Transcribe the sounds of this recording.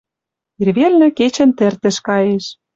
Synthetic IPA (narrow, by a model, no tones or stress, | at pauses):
irβelnɘ̆ket͡ɕə̆nt̪ĕrt̪ə̆ʃkɑjeʃ